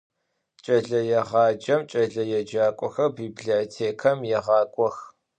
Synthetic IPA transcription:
t͡ʃʼɐɮɐjɛʁɑːd͡ʒɐmt͡ʃʼɐɮɐjɛd͡ʒaːkʷʼɔxɐrbiːbɮitʰeːkʰɐmjɛʁɑːkʷʼɔx

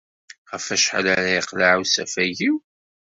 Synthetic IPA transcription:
ʁəfæʃħlæɾiqlaʕuwsæfæʝiw

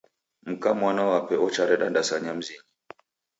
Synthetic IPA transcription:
m̩kamwanawapɛɔt͡ʃaɾɛɗandasaɲam̩zili

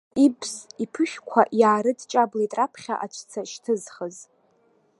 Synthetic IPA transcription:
ibʰzipʰɨʃᶣkʷʰaʔjaːɾɨdt͡ʃʼabletʼrapʰχʲa̰ʔat͡ʃʷʰt͡sʰaʃtʰɨzχəz

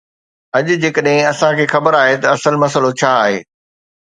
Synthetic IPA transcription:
ɐʄʊd͡ʑeːkəɗɦɪ̃ɐsãkʰeːxɐbəɾaːɦet̪ɐɐsəlmɐsəlot͡ɕʰaːɦḛː

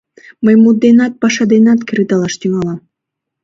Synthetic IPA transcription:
məjmud̪̚d̪enɑt̪̚pɑʃɑd̪enɑt̪kiɾit̪ɑlɑʃt̪yŋɑlɑm

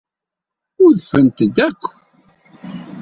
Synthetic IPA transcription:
ʊɾðfənt̪əd̪ækʷː

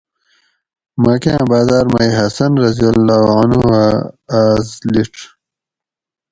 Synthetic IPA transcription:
maːkãbaːzaːɾmɐiɦɐsɐnɾɐzijɐlːaːanuhaaːzliʈ

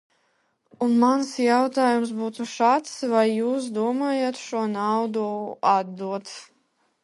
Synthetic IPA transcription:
unmansjawt̪aːjums̬buːt̪uʃaːt̪svajːuːs̬d̪uɔmaːjat̪ʃuɔnawd̪uad̪d̪ːuɔt̪s

